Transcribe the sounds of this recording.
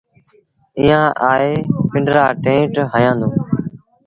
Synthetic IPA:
iːãːʔaːeːpɪ̃ɳɖɾaːʈẽːʈɦəjãːnd̪oː

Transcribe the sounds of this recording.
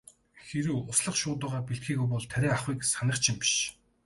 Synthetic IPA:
xeɾuːʊsɮə̆χʃʊːt̪ʊːʁaːpiɬt̪xiːɣujpɔɮt̪ʰæɾʲiːŋaχwiːksanə̆rt͡ɕʰɪ̆mpi̥ʃ

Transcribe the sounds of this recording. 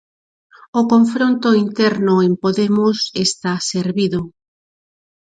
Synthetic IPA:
okoɱfɾont̪oint̪ɛɾnʊempoðemʊsest̪aseɾβiðo

